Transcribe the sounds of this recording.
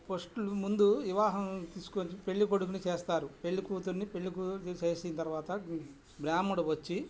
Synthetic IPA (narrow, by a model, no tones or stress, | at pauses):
posʈulumund̪uʋiʋaːɦɐmt̪iːsu̥kot͡ʃipe̞ɭːikoɽukunit͡ʃeːst̪aːɾupe̞ɭːikuːt̪unːipe̞ɭːikut͡ʃeːsint̪ɐɾʋaːt̪ɐ | bɾjaːmuɽɐʋɐt͡ʃːi